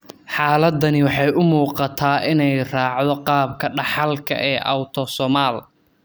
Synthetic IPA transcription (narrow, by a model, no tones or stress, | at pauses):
ħɑːlɐd̪ɐnɪwɑħɑjʊmuːqɑt̪ʰaːʔɪnɛjraːʕðɔqɑːb̚kʰɐɖɑħɑlkʰɐ̰ʔɛːʔɐ̰wt̪ʰɔsɔmaːl